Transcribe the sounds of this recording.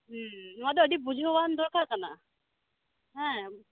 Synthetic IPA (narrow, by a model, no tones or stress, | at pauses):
nʊadɛɔdibud͡ʒʱiɦɔwand̪ɔɹkʰaɹkana̰ | ɦɛ̃